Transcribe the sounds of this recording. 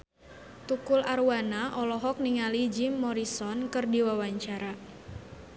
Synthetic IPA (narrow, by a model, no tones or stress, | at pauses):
t̪ukulaɾuwanaʔɔlɔɦɔk̚niŋalid͡ʒimːɔɾisɔnkɨrdiwawaɲt͡ʃaɾa